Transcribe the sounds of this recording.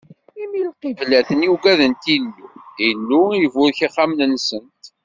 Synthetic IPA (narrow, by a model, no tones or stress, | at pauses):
imilqivlæθənjuɡæðənt̪inːuinːuivʊɾçiχːamnənsənt̪